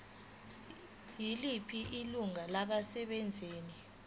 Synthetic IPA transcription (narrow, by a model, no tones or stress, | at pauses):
jilipʰiʔiluŋalaɓasɛɓɛnd͡zʱeːni